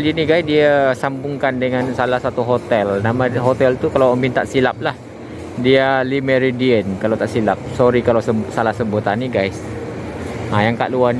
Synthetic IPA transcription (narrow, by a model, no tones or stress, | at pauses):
liniɡajsdiasambuŋkandəŋansalahsat̪uɦot̪ɛlnamaɦot̪ɛlt̪ukalawəmbint̪a̰ʔsilap̚lah | dialimɛɾidiənkalawt̪aʔsilap̚sɔɾikalawsəsalahsəmbut̪aniɡajs | ajaŋka̰ʔluan